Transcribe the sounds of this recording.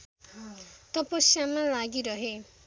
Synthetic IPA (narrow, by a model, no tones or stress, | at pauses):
t̪ʌpʌsjamalaɡiɾʌɦe